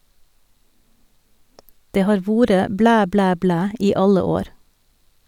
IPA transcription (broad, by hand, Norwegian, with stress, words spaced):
ˈdeː ˈhɑːɾ ˈʋuːɾə ˈblæː ˈblæː ˈblæː ˈiː ˈɑlə ˈoːɾ